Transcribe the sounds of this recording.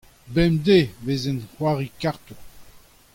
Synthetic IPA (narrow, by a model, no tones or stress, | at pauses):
bɛmd̪evezɛnhwaʁikaʁt̪u